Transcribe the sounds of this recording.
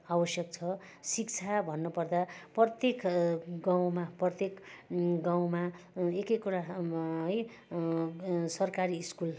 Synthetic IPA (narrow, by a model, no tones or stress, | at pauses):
abʌsjʌk̚t͡sʰʌ | sikt͡sʰabʱʌnːʌpʌrd̪aprʌt̪jekɡaw̃maprʌt̪jekɡãw̃maekʌkuɾaɦʌj | sʌrkaɾiːskul